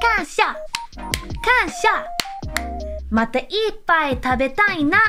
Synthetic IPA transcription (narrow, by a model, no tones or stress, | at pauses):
kaɕa | kaɕa | mat̪aʔipajt̪ʰabet̪ãĩna